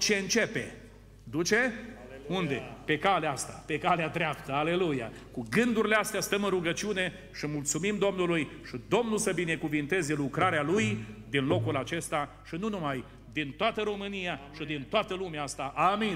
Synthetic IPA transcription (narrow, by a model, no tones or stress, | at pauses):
t͡ʃe̞ɨnt͡ʃe̞pe̞ | d̪ut͡ʃe̞und̪e̞pe̞kaleast̪ape̞kalead̪ɾeapt̪əale̞luja̰ | kuɡɨnd̪uɾileast̪east̪əmɨnruɡət͡ʃiune̞ | ʃimult̪sumimd̪o̞mnulujʃid̪o̞mnulsəbine̞kuvint̪e̞ze̞lukɾaɾealujd̪inlo̞kulat͡ʃe̞st̪a | ʃinunumaj | d̪int̪oat̪əɾo̞mɨnijaʃid̪int̪oat̪əlumeaast̪aʔami